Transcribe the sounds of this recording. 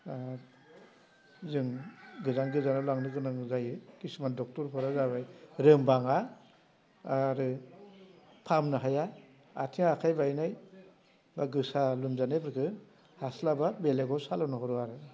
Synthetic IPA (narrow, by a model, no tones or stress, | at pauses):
zɯŋɡɯzaŋɡɯzanalaŋnɯɡɯnaŋzajɯkisimandɔk̚tɔɾpʰɔɾazabajɾɯmbaŋa | ɾɯ | pʰamnɯɦaja | a̰tʰiŋaːkʰajbajnaj | baɡɯsalumzanebɯɾkʰɯ | haslababeleɡɔsalanɔɦɔɾuaɾɯ